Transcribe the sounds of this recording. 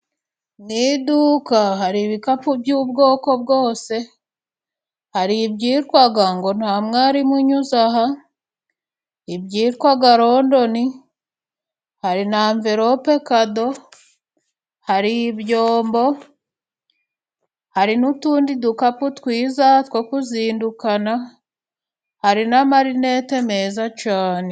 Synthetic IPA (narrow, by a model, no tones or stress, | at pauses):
nidukahaɾiβikapubjuːbɡoːko̞b̚ɡo̞ːse̞ | haɾibɟiːɾkwaɡaŋɡo̞n̥haːmŋaːɾimuɲuzaɦa | bɟiːɾkwaɡaɾo̞ndo̞ni | haɾinaːɱveɾope̞kado̞ | haɾijibjoːmbo̞ | haɾinutuːndidukaputwiːzatwokuziːndukana | haɾinamaɾine̞te̞me̞zat͡ʃaːne̞